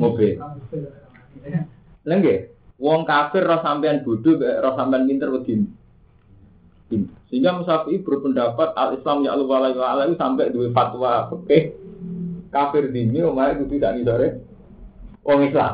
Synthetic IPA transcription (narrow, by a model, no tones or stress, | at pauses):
mobe | nəŋɡewɔŋkafɪrːɔhsampɛanb̥o̤d̪̥o̤bɛʔrɔhsampɛanpint̪ərkəd̪̥i̤n | d̪̥i̤nsiŋɡaməsapiʔib̥əɾʊpənɖapat̪̚a̰lislamja̰ʔluwalawalak̪usampɛʔd̪̥uwefat̪wapəkɪh | kafɪrd̪i̤niwɔmaɾaʔk̪usid̥aʔnisoɾe | wʔɔŋisla̰m